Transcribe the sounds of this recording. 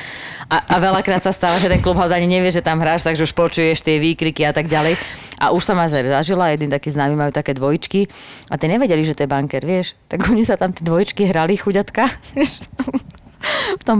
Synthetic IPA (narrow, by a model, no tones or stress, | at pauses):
ʔaaʋɛlakɾaːt̪sast̪aːʋaʒɛt̪ɛnklubɦaɔzaaɲiɲɛʋɪɛʒɛt̪amɦɾaːʃt̪aɡʒɛuʃpɔt͡ʃujɛʃt̪ɪɛʋiːkɾikiat̪aɡɟalɛjʔa̰ʔuʃsɔmazɛɾzaʒilajɛd̪nit̪akiːznaːmimajuːt̪akɛːd̪ʋɔjit͡ʃkiat̪ɪɛɲɛʋɛɟɛliʒɛt̪ɔjɛbaŋkɛɾʋɪɛʃt̪aɡɔɲisat̪amt̪ɪɛd̪ʋɔjit͡ʃkiɦɾalixuɟat̪kaʋjɛʃ | ft̪ɔm